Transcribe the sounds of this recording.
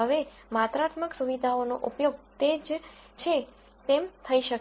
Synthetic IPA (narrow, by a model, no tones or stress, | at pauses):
ɦəʋe | mat̪ɾat̪məksuʋid̪ʱaonoʔupjoɡ̚t̪ed͡ʒ | t͡ʃʰe | t̪emt̪ʰəiʃək